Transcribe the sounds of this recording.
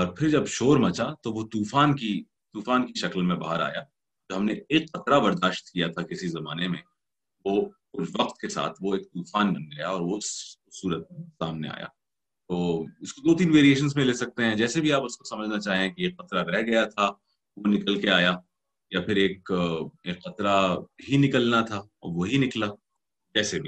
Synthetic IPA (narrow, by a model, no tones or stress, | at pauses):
ɔːɾpʰɪɾd͡ʒɐbʃoːɾmɐt͡ʃat̪oʋot̪uːfaːnki | t̪uːfaːnkiʃɐkəlmẽbaːɦəɾa̰ːja | t̪oɦɐmneeːkːɐt̪ɾabɐɾd̪aːʃt̪̚kijat̪ʰakɪsizɐmaːnemẽ | ʋokʊt͡ʃʰʋɐqt̪kesa̰ːt̪ʰʋoeːk̚t̪uːfaːnɐnɡɐjaɔːɾʋosʊsuːɾət̪̚saːmnḛa̰ːja̰ː | t̪oːɪskod̪oːt̪̬iːnʋeːɾieːʃ̬ə̃nzmẽleːsɐk̚t̪eɦɛ̃d͡ʒɛːsebʱiaːpʊsko̥sɐməd͡ʒʱnat͡ʃaːɦẽkieːkqːɐt̪ɾaɾɛɦɡɐjat̪ʰa | ʋonɪkəlkeaːja | japʰɪɾeːkeːkːɐt̪ɾaɦinɪkəlnat̪ʰaɔ̰ːɾʋoɦinɪkla | d͡ʒɛːsebʱiː